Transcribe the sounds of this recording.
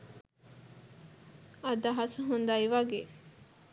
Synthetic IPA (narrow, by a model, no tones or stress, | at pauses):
ad̪aɦasəɦund̪ajiʋaɡeː